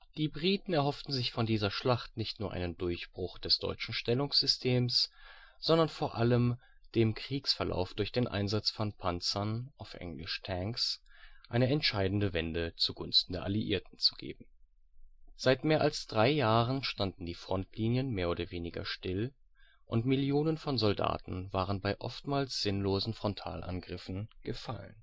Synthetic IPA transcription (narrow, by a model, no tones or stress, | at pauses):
d̥iːbʁiːtn̩ɛɐɦɔftn̩zɪçfɔndiːzɐʃlaχtnɪçtnuːɐʔa̰ɪnəndʊɐçb̥ʁʊχd̥ɛsd̥ɔ̰ʏt͡ʃn̩ʃtɛlʊŋsz̥ʏstʰeːmsz̥ɔndɐnfoːɐʔaləm | d̥eːmkʁ̥iːksfɛɐlʔa̰ʊfd̥ʊɐçd̥eːnʔa̰ɪnzat͡sfɔnpʰant͡sɐnʔaʊfʔɛ̰ŋlɪ̰ʃtʰɛŋksʔaɪnəɛntʃaɪdn̩dəvɛndət͡suɡʊnstn̩deːɐʔaliʔḭːɐtn̩t͡su̥ɡ̥ḛːbm̩ | z̥aɪtmeːɐʔalsd̥ʁaɪjaːʁənʃtandn̩diːfʁ̥ɔntʰliːnjənmeːɐʔoːdɐveːnɪɡɐ̰ʃtɪl | ʔʊntmɪljoːnənfɔnzɔlda̰ːtn̩vaːʁ̞ənbaɪʔɔ̰ftmaːlsz̥ɪnloːzn̩fʁ̥ɔntʰa̰ːlʔa̰nɡʁɪfn̩ɡ̥əfa̰lə̰n